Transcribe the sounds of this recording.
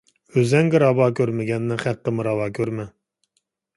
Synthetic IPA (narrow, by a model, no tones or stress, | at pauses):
øzɛŋɡʲɪɾɑbɑːkʲʰøɾmɪɡʲɛnːɪχæqːəmɨɾɑvɑːkʲʰøɾmɛ